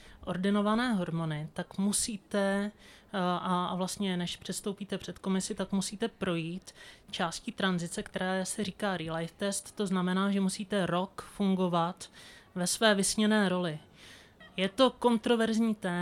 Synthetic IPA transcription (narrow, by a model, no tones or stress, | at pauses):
ʔo̞ɾdɪno̞vanɛːɦo̞ɾmo̞nɪt̪akmusiːt̪ɛ | ʔaavlast̪ɲɛnɛʃpr̝̥ɛst̪o̞wpiːt̪ɛpr̝̥ɛt̪ko̞mɪsɪt̪akmusiːt̪ɛpɾo̞jiːt̪t͡ʃaːscit̪ɾanzɪt͡sɛkt̪ɛɾaːsɛɾ̝iːkaːɾɪlajft̪ɛst̪ːo̞znamɛnaːʒɛmusiːt̪ɛɾo̞kfuŋɡo̞vat̪vɛsvɛːvɪsɲɛnɛːɾo̞lɪ | jɛt̪o̞ko̞nt̪ɾo̞vɛɾzɲiːt̪ɛː